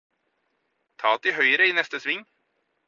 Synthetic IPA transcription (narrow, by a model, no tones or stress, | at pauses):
t̪ʰɑːt̪ɪɦœʏɾəɪnɛst̪əsʋɪŋː